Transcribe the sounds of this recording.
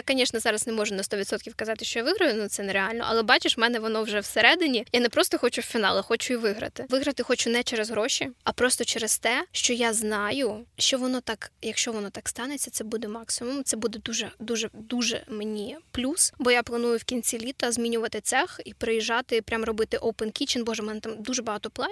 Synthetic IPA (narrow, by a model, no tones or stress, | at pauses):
jakɐnʲiʃnɛzɑɾɐznɛmɔʒʊnɐst̪ɔʋʲit̪sɔt̪kʲiwkɐzɑt̪ɪʃt͡ʃɔjaʋɪɦɾɐjʊnut̪sɛnɛɾeɑlʲnɔ̰ʔɐ̰lˠɛbɑt͡ʃɪʃmɛnɛʋɔnɔwʒɛwseɾɛd̪ɪnʲijanɛpɾɔst̪ɔxɔt͡ʃʊwfʲinɑ̰lˠɪxɔt͡ʃʊiʋɪɦɾɐ̰t̪ɪʋɪɦɾɐt̪ɪxɔt͡ʃʊnɛt͡ʃɛɾɛzɦɾoʃʲiɐpɾɔst̪ɔt͡ʃɛɾɪst̪ɛʃt͡ʃɔjaznɑjʊʃt͡ʃɔʋɔnɔt̪ɑkjɐkʃt͡ʃɔʋɔnɔt̪ɑkst̪ɑnet͡sʲːɐt̪sɛbud̪ɛmɑksɪmʊmt̪sɛbud̪ɛd̪uʒɛd̪uʒɛd̪uʒɛ̰menʲiplʲusbɔjaplˠɐnujʊwkʲinʲt͡sʲilʲit̪ɐzmʲinʲʊʋɐt̪ɪt̪sɛxipɾejiʒɑt̪ɪpɾʲʔamrɔbɪt̪ɪʔowpɛnkʲit͡ʃɪnbɔʒɛmɛnɛt̪ɑmd̪uʒɛbɐɦɑt̪ɔplˠɑ